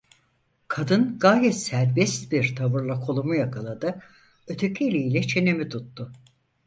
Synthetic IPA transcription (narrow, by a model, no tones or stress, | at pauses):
kʰad̪ɯnɡaːjɛt̪sæɾbɛst̪biɾt̪ʰabɯɾlˠakʰo̞lˠumujakʰɯlˠad̪ɯ | ø̞t̪ʰe̞cʰielʲiilʲɛt͡ʃʰe̞nemit̪ʰut̪ːʊ